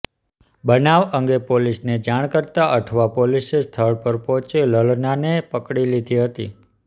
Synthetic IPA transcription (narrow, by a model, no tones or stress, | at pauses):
bənaʋəŋɡepolisned͡ʒaɽ̃kəɾt̪aʔəʈʰʋapolisest̪ʰəɭpəɾpɔ̃t͡ʃeləlnanepəkɽilid̪ʱiɦət̪ḭ